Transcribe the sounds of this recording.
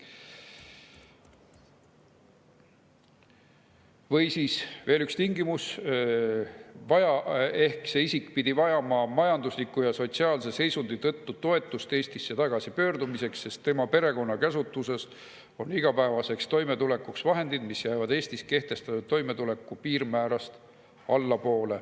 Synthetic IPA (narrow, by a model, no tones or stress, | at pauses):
vɤjsiːsve̞ːlykst̪iŋɡimus | vɑjɑe̞hkse̞isikˑpid̪̥ivɑjɑmɑmɑjɑnd̪uslikːujɑso̞t̪siɑːlse̞se̞jsund̪̥it̪ɤt̪ːut̪o̞e̞t̪ːˑust̪e̞ːsʲt̪isːet̪ɑɡ̥ɑsipø̞ːrd̪̥umise̞ksːe̞st̪ːe̞mɑpe̞ɾe̞ko̞nːɑkæsut̪ːˑuse̞s | o̞niɡ̥ɑpæevɑse̞kst̪o̞jme̞t̪ule̞kːuksvɑɦe̞nd̪̥id̪̥misjæjvɑd̪e̞ːst̪iske̞ht̪e̞st̪ɑt̪ud̪̚t̪ːo̞jme̞t̪ule̞kːˑupiːrmæːɾɑst̪ | ɑlːɑpo̞ːle̞